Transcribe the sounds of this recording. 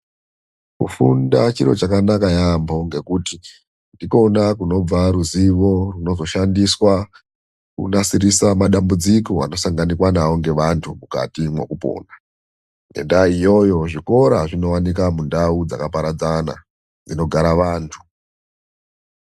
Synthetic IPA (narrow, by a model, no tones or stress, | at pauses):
kṵfṵndat͡ʃiɾo̞t͡ʃakanakajambo̞ŋɡe̞kuti | ndiko̞nakuno̞b͡vaɾuziʋo̞runo̞zo̞ʃandiswa | kṵnasiɾisamaɗambud͡ziko̞a̰no̞saŋɡanikwanawo̞ŋɡe̞ʋantʰumuka̰timwe̞̰kupo̞̰ːna | ḛndaijo̞jo̞ʐiko̞ɾaʐino̞wanik̬amundaud͡za̰kapaɾad͡zana̰ | d͡zino̞ɡʱaɾaʋaːntʰu̥